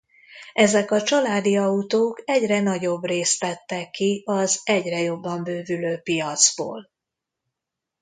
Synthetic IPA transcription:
ɛzɛkɒt͡ʃɒlaːd̪iɒut̪oːkɛɟrɛnɒɟo̞breːst̪tɛt̪ːɛkːiɒzɛɟrɛjo̞bːɒmbøːvyløːpijɒt̪zbo̰ːl

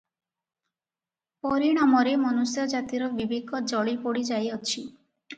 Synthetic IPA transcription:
pɔɾiɽ̃amɔɾemɔnusjɔd͡ʒat̪iɾɔbibʱiɡɔd͡ʒɔɭipoɽid͡ʒajɔt͡ʃʰi

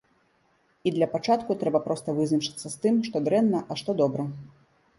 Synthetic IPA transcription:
id̪lʲɐpat͡ʂat̪kut̪ɾɛbɐpɾɔst̪ɐvɨznɐt͡ʂɐ̥t̪sːɐst̪ɨmʂt̪ɔd̪ɾɛnːɐʔɐʂt̪ɔd̪ɔbɾɐ

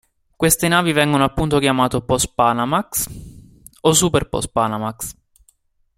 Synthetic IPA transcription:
kwest̪enaːvivɛŋɡonoapːunt̪okjamaːt̪opɔspanamaks | os̬ːuperpɔ̰spaːnamaks

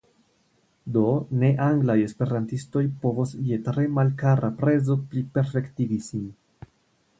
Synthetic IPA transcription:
do̞ne̞ʔaŋɡlaje̞spe̞ɾantisto̞jpo̞vosje̞tɾe̞malkaɾapɾe̞zo̞plipe̞ɾfe̞ktiɡisin

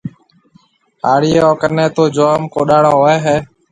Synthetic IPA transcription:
haːɽiːeːoːkənẽːt̪oːd͡ʒoːmkoːɗaːɳoːɦoeːɦeː

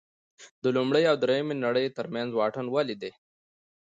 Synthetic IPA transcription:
d̪əlumɽəjawd̪ɾejəmenaɽəjt̪əɾmjanzwɑːʈənwalid̪e

